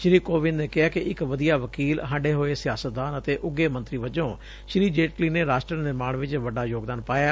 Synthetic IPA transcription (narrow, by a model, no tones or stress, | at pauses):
ʃɾiːkoːʋɪnneːkɪɦaːkɪʔɪkʋəd̪ijaːʋəkiːlɦə̃ɳɖeːɦoːeːsɪjaːsət̪̚d̪aːnət̪eːʔʊɡːeːmə̃nt̪ɾiːʋəd͡ʒõː | ʃɾiːd͡ʒeːʈkliːneːɾaːsʈɾənɪɾmaːɽʋɪt͡ʃʋəɖaːjoːɡd̪aːnpaːjaː